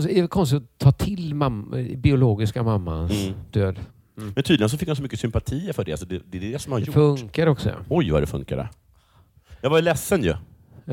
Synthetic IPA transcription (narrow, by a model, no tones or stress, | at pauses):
sɛɛkʰɔnst̪ɪt̪ɔt̪ʰɑːt̪ʰɪlmamːbɪʊloːɡɪskamamːa̰sd̪̥øːd̪ | mmɛnt̪ʰyːd̪lɪɡənsɔfɪkːhansɔmʏkːəsʏmpat̪ʰiːfœɖɛals̬ɔd̪ɛd̪ɛd̪ɛsɔmhaɾɛʊfɵŋkaɾɔksɔ̰ɔjva̰d̪ɛfɵ̰ŋkadə̰ | jɑːvajlɛsːənjɵ̰